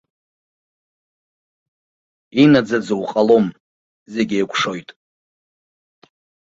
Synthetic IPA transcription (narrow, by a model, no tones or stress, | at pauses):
inad͡zad͡zɨwqʼalo̞m | zeɡʲejkʷʰʂo̞jtʼ